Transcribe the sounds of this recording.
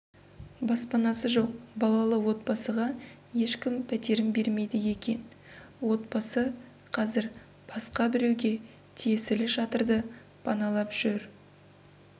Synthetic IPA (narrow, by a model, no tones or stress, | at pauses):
bɑspɑnɑsəʒo̞q̚bɑlˠɑlˠəwo̞t̪̚bɑsəʁɑ | je̞ʃkʲɪmpʰæt̪e̞ɾɪmbe̞ɾme̞jd̪ɪje̞kʲe̞n | wo̞t̪̚bɑsə | qʰɑzɪɾ | b̥ɑsqɑbɪɾe̞wɡʲe̞ | t̪ʰije̞sɪlɪʃɑt̪əɾd̪ə | pʰɑnɑlˠɑpʒ̥ʏɾ